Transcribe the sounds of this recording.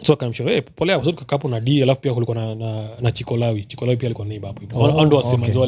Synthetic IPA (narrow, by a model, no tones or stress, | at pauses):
sɔakanam̩ʃɔɾɔɛpɔlɛakas̬utukakapɔnaɗialafupiakulikuwanananat͡ʃikɔlawit͡ʃi̥kɔlawipialikuwanɛiɓapɔianandɔwasɛmaza